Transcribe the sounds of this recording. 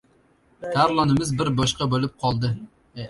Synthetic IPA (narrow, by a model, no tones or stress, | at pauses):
t̪ʰæɾlˠɑnɨmɪzbɪɾbɑʃqɑbolyp̚qʰɑlˠd̪ɨ